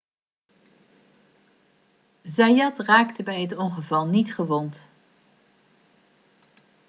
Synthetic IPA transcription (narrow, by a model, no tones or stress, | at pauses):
zajɑtraːktəbɛjɦətɔŋχəvɑlˠnitχəʋɔnt